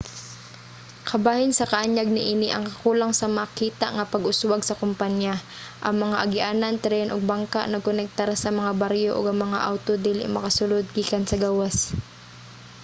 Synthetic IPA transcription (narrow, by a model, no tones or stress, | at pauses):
kʰɐbaːhɪnsɐkɐʔaɲaɡ̚nɪʔiːnɪʔɐŋkɐkuːlaŋsɐmakiːt̪a̰ʔŋɐpɐɡʊswaɡsɐkʊmpaɲja | ʔɐŋmɐŋaʔɐɡɪʔaːnɐnt̪ɾɛnʔoɡ̚baŋka̰ʔnɐkonɛk̚t̪aɾsɐmɐŋabaɾjoʔoɡɐŋmɐŋa̰ʔawt̪od̪ihlɪ̰ʔmɐkɐsʊlod̪̚ɡiːkɐnsɐɡaːwas